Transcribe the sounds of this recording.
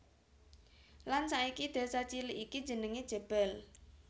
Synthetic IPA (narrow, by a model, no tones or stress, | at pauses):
lansaikid̪̥a̤sat͡ʃiliʔiki̥d͡ʒ̥ə̤nəŋed̥ʒ̥ə̤b̥ɛ̤l